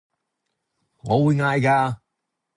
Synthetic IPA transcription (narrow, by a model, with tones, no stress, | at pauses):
ŋɔː˨˧˥wu˨˧jŋaː˧jkaː˧